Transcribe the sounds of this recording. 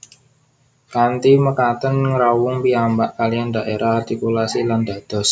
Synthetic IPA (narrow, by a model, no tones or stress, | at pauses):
kant̪iməkat̪ənŋɾawʊŋpiambaʔkaliand̪a̤ʔeɾʔahart̪ikulasiland̪a̤d̪̥ɔ̤s